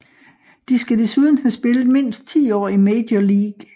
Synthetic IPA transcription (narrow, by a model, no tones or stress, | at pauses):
d̥isɡ̥æd̥e̝suð̞ˠn̩hæsb̥e̝ləð̩ˠme̝n̰sd̥̚t͡sʰḭːɒ̰ːimed̥joliːɡ̥